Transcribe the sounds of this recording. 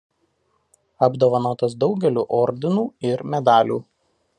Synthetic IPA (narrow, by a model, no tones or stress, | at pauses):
ɐbd̪oːʋɐnoːt̪ɐsd̪ɒʊɡʲɛlʲuːʔɔɾʲd̪ʲɪnuːɪɾmʲɛd̪ɑːlʲṵː